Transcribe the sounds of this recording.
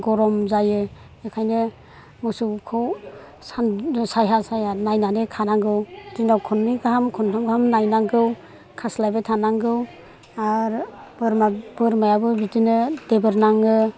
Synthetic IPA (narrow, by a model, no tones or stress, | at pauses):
ɡɔɾɔmzajɯ | ekʰajnɯ | mɯsukʰɯw | sansajɦasajanajnanekʰanaŋɡɯwdinawkʰɔnmiɡaɦamkʰɔntʰɔmɡamnajnaŋɡɯw | kʰaslajbetʰanaŋɡɯw | aɾbɯɾmabɯɾmajabɯbidinɯdebɯɾnaŋɯ